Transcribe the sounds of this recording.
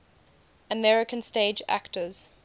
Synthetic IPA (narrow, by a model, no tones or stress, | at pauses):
əmɛɹɪkə̃nsteɪd͡ʒæ̰ktəz̥